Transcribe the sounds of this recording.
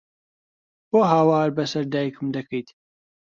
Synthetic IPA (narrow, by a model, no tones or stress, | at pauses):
boːɦaːwaːɾbɐsɐɾd̪aːjkʰɨmd̪ɐkʰɐjt̪